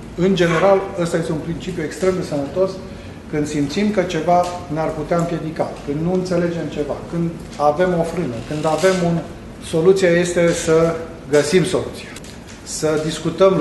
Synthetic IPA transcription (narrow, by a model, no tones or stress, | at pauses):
ɨnd͡ʒe̞ne̞ɾalast̪ajest̪eunpɾint͡ʃipjue̞kst̪ɾe̞md̪e̞sənət̪o̞s | kɨnd̪simt̪simkət͡ʃe̞vanearput̪eaɨmpje̞d̪ikakɨnd̪nuɨnt̪se̞le̞d͡ʒe̞mt͡ʃe̞va̰kɨnd̪ | ave̞mo̞fɾɨnəkɨnd̪ave̞mun | so̞lut̪sieje̞st̪e̞sə | ɡəsimso̞lut̪sia | səd̪iskut̪əm